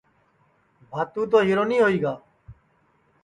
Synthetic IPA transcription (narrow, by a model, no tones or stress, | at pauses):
bʱaːt̪ũːt̪oːɦiːɾoːnĩːɦoːiːɡaː